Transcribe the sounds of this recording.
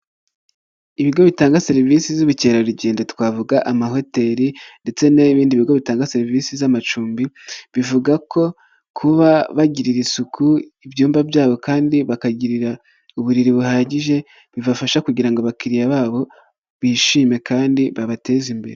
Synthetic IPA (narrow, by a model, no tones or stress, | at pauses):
iβiɡo̞βitaːŋɡaseɾivisizuβuceːɾaɾiɟeːndetwaːvuɡaʔamaɦo̞te̞ɾinde̞t͡se̞neβiːndiβiɡo̞βitaːŋɡaseɾiviːsizamat͡ʃuːmbiβivuɡakʰo̞ | kʰuβaβaɟiɾiɾisukʰuivjuːmbabjaːβo̞kaːndiβakaɟiɾiɾa | uβuɾiɾiβuhaːɟiʒe̞ | βiβafaʃakuɟiɾaŋɡoβakiɾijaβaːβo̞ | βiʃiːme̞kaːndiβaβate̞ːzimbe̞ɾe